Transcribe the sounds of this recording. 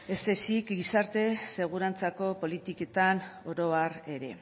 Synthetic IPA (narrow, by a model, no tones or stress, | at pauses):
esesikɡisaɾt̪e̞se̞ɣ̞uɾant͡sako̞po̞lit̪ike̞t̪ano̞ɾo̞are̞ɾe̞